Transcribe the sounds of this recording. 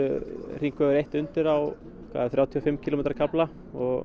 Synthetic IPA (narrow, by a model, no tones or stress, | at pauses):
ʏr̥iŋkvɛʏɾejht̪ʏnt̪ɪɾaw | kʰva̰ːðaθɾjaːwt̪ʰiɔfɪmːcʰilomɛːt̪ɾaɾkʰapla | ɔɣ